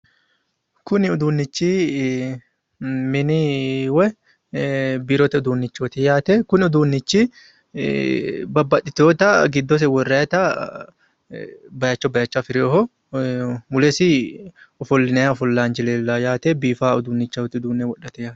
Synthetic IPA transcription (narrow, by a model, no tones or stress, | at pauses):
kʊnɪʊd̪uːnːɪt͡ʃːi | mɪnɪwɛ | biːɾɔt̪ɐʊd̪uːnːɪt͡ʃːɔt̪ɪjaːt̪ɛkʊnʊd̪uːnːɪt͡ʃːi | bɐbːɐᶑ̪ɪt̪oːt̪ɐɡɪd̪ːɔs̬ɛwɔrːɛjɐt̪ɐ | bɐjɐt͡ʃːɔbɐjɐt͡ʃːafɪɾɛɔɦɔ | mʊlɛsɪ | ɔfɔlːɪnɛjaɔfɔlːaːnd͡ʒɪleːlːajaːt̪ebiːfaːʊd̪uːnːɪt͡ʃːawɔt̪ːɪʊd̪uːnːɛwɔᶑːɐt̪ɛjaːt̪